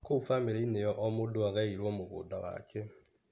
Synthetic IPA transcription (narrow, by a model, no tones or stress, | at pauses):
kofameɾeinejɔʔɔmodoaɣaiɾwɔmoɣo̰ːdawa̰kʰɛ